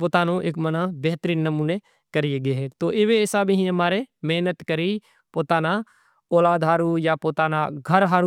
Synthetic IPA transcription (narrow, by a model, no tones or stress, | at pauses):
poːt̪aːnõʔeːkmɐnabɛɦt̪əɾiːnːɐmuːne | kɐɾieɡɐɦɛt̪oːʔɪʋeɛːsabʱiɦĩɦɐmaːɾemɛɦnət̪kɐɾi | poːt̪aːna | oːlaːd̪ɦaːɾujapoːt̪aːnaɡʱɐɾɦaːɾu